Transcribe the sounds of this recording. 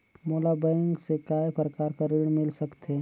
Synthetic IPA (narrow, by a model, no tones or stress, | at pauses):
moːlabɛ̃ŋɡsekaːepʰɾəkaːɾkaɾɪɽ̃mɪlsəkt̪eɦɛ